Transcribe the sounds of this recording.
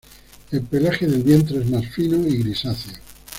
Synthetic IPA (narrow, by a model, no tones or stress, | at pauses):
e̞lpelaxeðe̞lβje̞nt̪ɾoezmasfinoiɣɾisaθjo